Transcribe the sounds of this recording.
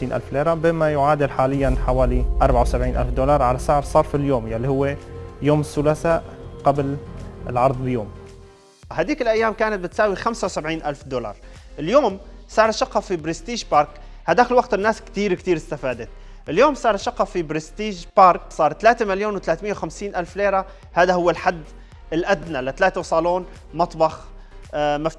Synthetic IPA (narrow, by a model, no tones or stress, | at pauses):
t̪iːnʔa̰lfleːɾˤabɪmːajʊʕaːd̪ɪlħaːlɪjːanħawaːliʔɑɾˤbʕawsabʕiːnʔa̰lfd̪olɑɾˤʕalasaʕɾˤsˤɑːɾˤfiljoːmjalːihʊwːejoːmɪsːʊlasaːʔqablɪlʕɑɾˤðˤbɪjoːm | haːd̪iːkɪlʔajːaːmkaːnat̪̚bɪt̪saːwixamsawsabʕiːnʔalfd̪olɑ̰ɾˤ | ʔɪljoːmsɑːɾˤʃɑqːɑfibɾɪst̪iːʒpɑːɾˤk | had̪aːkɪlwaɡ̚t̪ɪnːaːskt̪iːɾkt̪iːɾɪst̪afaːd̪at̪ | ʔɪljoːmsɑːɾˤʃɑqːɑfibɾɪst̪iːʒpɑːɾˤksˤɑːɾˤt̪alaːt̪emaljoːnwɪt̪laːt̪mɪjːawxamsiːnʔalfleːɾa | haːd̪ahʊwːalħad̪ː | ɪlʔad̪nalɪt̪alaːt̪awsˤɑːloːn | mɑt̪ˤbɑx | maft̪